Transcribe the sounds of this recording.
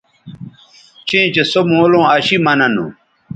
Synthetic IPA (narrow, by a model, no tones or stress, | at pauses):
t͡ɕẽːt͡ɕesomõːlõːɐɕimɐnɐnṵ̃